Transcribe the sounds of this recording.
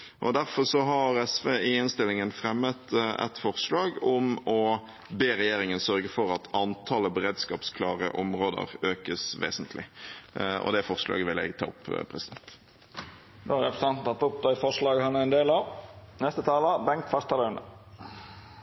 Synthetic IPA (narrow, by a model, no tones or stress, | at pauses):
ʔɔ̰d̪æɾfɔʁsɔɦɑɾɛsʋeːɪɪnst̪ɪlɪŋənfɾɛmːət̪ɛ̰t̪fɔʁslɑːɡɔmɔ | beːɾɛjeːɾɪŋənsœʁɡəfɔɾɑt̪ʰɑnt̪ʰɑːləbəɾeːd̪skɑːpskʰlɑːʁə̰ʔɔmɾoːd̪ə̰ɾøːkəsʋḛːsənt̪ʰlɪ | ʔɔ̰d̪ɛfɔʁʂlɑ̰ːɡəʋɪlɛ̰ɡt̪ʰɑ̰ːʊpːpʰɾɛsɪd̪̥ɛnt̪ | d̪oɾɛpɾəsɑnt̪nt̪ʰɑt̪ːʊp̚d̪ɑɪfɔʂlɑːɡhɑnəɛnd̪eːlɑʋnɛst̪ət̪ʰɑːləbɛŋ̚t̪fœɾst̪ɑlɑnə̰